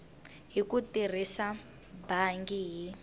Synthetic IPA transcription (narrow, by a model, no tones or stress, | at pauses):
ɦikutir̤isa | baŋɡiɦi